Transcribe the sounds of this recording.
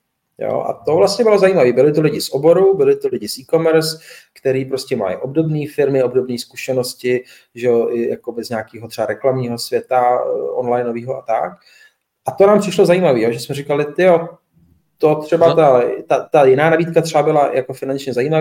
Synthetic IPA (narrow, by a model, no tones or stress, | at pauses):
jo̰ʔa̰t̪ovlast̪ɲɛbɪlo̞zajiːmaviːbɪlɪt̪olɪɟɪsʔobo̞ɾubɪlɪt̪olɪɟɪsʔiːko̞mɛɾskt̪ɛɾiːpɾoscɛma̰jɪ̰ʔo̞bdo̞bniːfɪɾmɪobdo̞bniːskuʃɛno̞scɪ | ʒɛoʔɪjakobɛzɲaːkiːɦot̪r̥ɛbaɾɛklamɲiːɦo̞svjɛt̪aʔonlajno̞viːɦoʔat̪a̰k | ʔat̪o̞naːmpr̥ɪʃlo̞zajiːmaviːjoʒɛsmɛɾɪkalɪt̪ɪjo̞ | t̪ot̪r̥ɛbat̪at̪at̪ajɪnaːnabiːt̪kat̪r̥ɛbabɪlajakofɪnant͡ʃɲɛzajiːma